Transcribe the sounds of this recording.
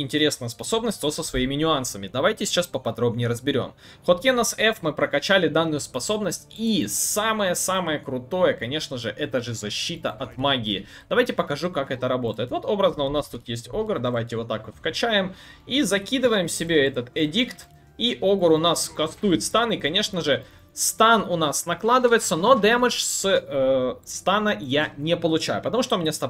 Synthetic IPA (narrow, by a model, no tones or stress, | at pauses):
ɪnʲtʲɪɾʲe̞snəjəspɐso̞bnəsʲt̪ʲvosəsvɐimʲɪnʲʊansəmʲɪd̪ɐvajtʲɪsʲɪ̥t͡ɕaspəpɐd̪ɾo̞bnʲɪjɾəzbʲɪɾʲo̞̰m | xot̪̚kʲenəsɛfmɨpɾəkɐt͡ɕælʲɪd̪anːʊjʊspɐso̞bnəsʲtʲisaməjəsaməjəkɾʊt̪o̞jəkɐnʲe̞ʂnəʐɨʔɛt̪əʐɨzɐɕːit̪ə̰ʔɐt̪maɡʲɪɪ | d̪ɐvajtʲɪpəkɐʐukakɛt̪əɾɐbo̞t̪əjɪt̪vo̞t̪o̞bɾəznəʊnast̪ut̪jesʲtʲo̞ɡərd̪ɐvajtʲɪvo̞t̪ːakot̪fkɐt͡ɕæjɪmizɐkʲid̪ɨvəjɪmsʲɪbʲeɛt̪ət̪ɛdʲikt̪ | iʔoɡəɾʊnaskɐst̪ujɪt̪st̪anɪkɐnʲe̞ʂnəʐɨ | st̪anʊnasnɐklˠad̪ɨvəjɪt̪səno̞d̪ɛməʂs | st̪anəjanʲepəlˠʊt͡ɕæjʊpət̪ɐmuʂt̪omʲɪnʲast̪ɐ